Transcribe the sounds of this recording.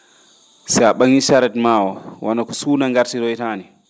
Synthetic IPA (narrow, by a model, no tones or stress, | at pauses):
sɛjaɓaŋiʃaɾɛtmaːwɔwʔanakɔsuːnaŋɡaɾtiɾɔitaːni